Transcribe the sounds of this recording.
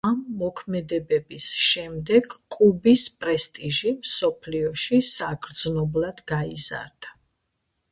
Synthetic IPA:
amːɔkʰmɛd̪ɛbɛbisʃɛmd̪ɛɡkʼubispʼɾɛst̪ʼiʒimsɔpʰliɔʃisaɡɾd̪znɔblˠad̪ɡaiza̰ɾd̪̥a

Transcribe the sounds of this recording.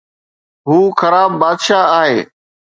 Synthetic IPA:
ɦuːxəɾaːbːaːd̪ʃaːaːɦeː

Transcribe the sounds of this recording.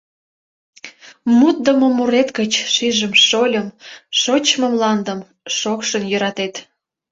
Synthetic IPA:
mut̪̚d̪əmomuɾet̪ɡət͡ɕʃiʒəmʃolʲəmʃot͡ɕmomlɑnd̪əm | ʃokʃənjøɾɑt̪et̪

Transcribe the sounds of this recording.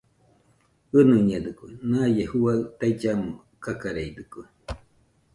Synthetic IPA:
ɨnɨɲad̪ɨkunajehuat̪ait͡ʃamu | kakaɾeid̪ɨku

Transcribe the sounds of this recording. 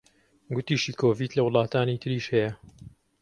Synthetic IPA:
ɡʊt̪iːʃiːkʰoːviːt̪lɐwʊlˠɑːt̪aːnit̪ʰɨɾiːʃhɛjɐ

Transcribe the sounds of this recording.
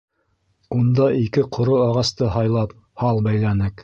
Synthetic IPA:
und̪ɑʔikɘqʰŏɾoɑʁɑst̪ɤɦɑjlˠɑp | hɑlˠbæjlænɘk

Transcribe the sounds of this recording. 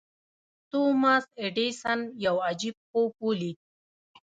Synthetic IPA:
t̪umaseɖesanjawad͡ʑib̚qopuli

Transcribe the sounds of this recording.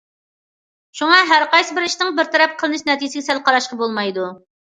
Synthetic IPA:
ʃuŋɑɦæɾqɑjsɨbɪɾiʃnɪŋbɪɾt̪ʰɛɾɛp̚qʰəlˠɨnɨʃnɛt̪ijɪsɪɡʲɛsɛlqɑɾɑʃqɑbolˠmɑjd̪u

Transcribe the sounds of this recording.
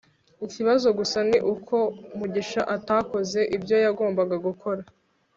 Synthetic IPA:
iciβazo̞ɡusaniʔukʰo̞muɟiʃaʔataːko̞ze̞ʔibɟo̞jaɡo̞ːmbaɡaɡukʰo̞ɾa

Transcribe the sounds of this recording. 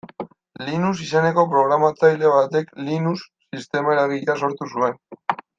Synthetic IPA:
linusise̞ne̞ko̞pɾo̞ɣɾamat͡sajle̞β̞at̪e̞klinusːist̪e̞maeɾaβiʎaso̞ɾt̪usue̞n

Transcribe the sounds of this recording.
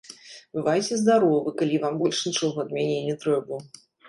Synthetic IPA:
bɨvajt͡sʲɛzd̪aɾɔvɨkalʲivambɔlʲʂnʲit͡ʂɔɣɐɐd̪mʲɛnʲenʲɛt̪ɾɛbu

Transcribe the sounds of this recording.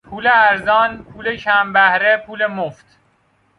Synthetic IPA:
pʰuːleæɾzɒːnpʰuːlet͡ʃʰæmbæhɾepʰuːlemoft̪

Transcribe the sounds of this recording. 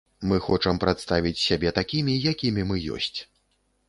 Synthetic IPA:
mɨxɔt͡ʂɐmpɾat̪st̪avʲit͡sʲsʲabʲɛt̪akʲimʲijakʲimʲimɨjɔ̰sʲt͡sʲ

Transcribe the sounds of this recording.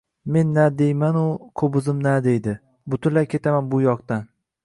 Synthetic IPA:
me̞nːad̪e̞jmanʊkʰobʊzɪmnad̪e̞jd̪ɪ | bʊt̪ʰʊnlajkʲʰe̞t̪ʰamanbʊjɒqt̪an

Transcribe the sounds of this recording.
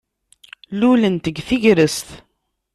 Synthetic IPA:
lulənt̪əɡθiʝɾəst̪

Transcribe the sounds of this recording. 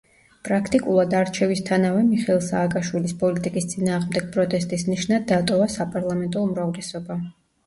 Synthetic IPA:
pʼɾakʰt̪ʼikʼulˠad̪aɾt͡ʃʰɛvist̪ʰanavɛmiχɛɛlˠsaːkʼaʃwilispʼɔlit̪ʼikʼist̪sʼinaːʁmd̪ɛɡ̥̚pʼɾɔt̪ʼɛst̪ʼisniʃnad̪ːat̪ʼɔvasapʼaɾlˠamɛnt̪ʼɔumɾavlɛsɔba

